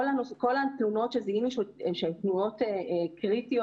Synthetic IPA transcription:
olanoskolat̪uno̞tʃeziimiʃeʃeemt̪nuot̪eekʁit̪io

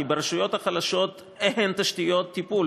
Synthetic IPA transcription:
ibeɾeʃujo̞t̪haχalaʃo̞t̪ | ehent̪aʃt̪ijo̞t̪ːipul

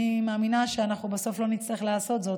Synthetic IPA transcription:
imeːminaʃeanaχnubeso̞flo̞nit͡sliχlaːso̞t̪zo̞t

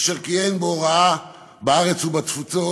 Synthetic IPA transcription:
ʃeʁkienboʁaa | baaʁet͡subatfut͡so

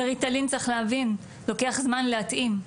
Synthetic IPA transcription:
eʁitalint͡saχlehavin | loke̞aχzmanleat̪ʔim

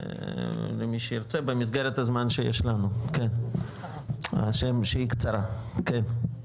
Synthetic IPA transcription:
lemiʃejiɾt͡sebemis̬ɡeɾet̪azmanʃejḛʃlanuken | a̰ʃemʃeikt͡saɾaken

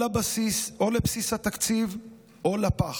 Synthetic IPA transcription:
abasiso̞lepsishat̪akt͡siv | ʔolapaχ

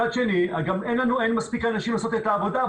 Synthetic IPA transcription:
ad̪ʃeniɡamenlanuenmaspikanaʃimlaso̞t̪et̪aːvo̞d̪a

